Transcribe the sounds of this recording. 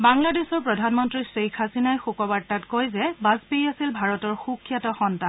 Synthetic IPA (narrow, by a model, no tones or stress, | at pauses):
baŋladesɔɹpɹɔdʱanmɔntɹisejkʰasinajxukɔbaɹ̚tːatkojzɛbaspejasilbʱaɹɔtɔɹxukʰːjatɔxɔntan